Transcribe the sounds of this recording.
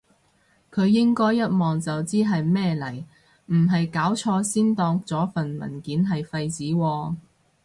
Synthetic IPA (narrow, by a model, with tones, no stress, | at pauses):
kʰɵ˨˧ɥːɪ˥ŋkɔː˥jːɐ˥t̚mɔː˨ŋt͡sɐ˨wt͡siː˥ɦɐ˨jmɛː˥lɐ˨˩j | m̩˨˩ɦɐ˨jkaː˨˥wt͡ʃʰɔː˧siː˥nt̪ɔː˧ŋt͡sɔː˨˥fɐ˨nmɐ̰˨˩nkiː˨˥nɦɐ˨jfɐ˧jt͡siː˨˥wɔː˧